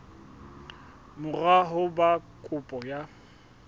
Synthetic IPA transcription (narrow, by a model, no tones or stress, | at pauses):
mʊraɦʊbakʼʊpʼɔja